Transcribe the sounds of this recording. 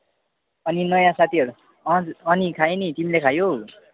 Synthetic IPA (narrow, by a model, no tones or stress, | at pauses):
ʌninʌjãsat̪ʰiʌɾu | ʌʌnikʰajnit̪imilekʰajo